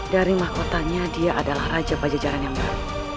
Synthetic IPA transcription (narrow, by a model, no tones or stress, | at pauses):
daɾimahkot̪aɲadiaʔadalahrad͡ʒapad͡ʒad͡ʒaɾanjaŋbaɾut̪̚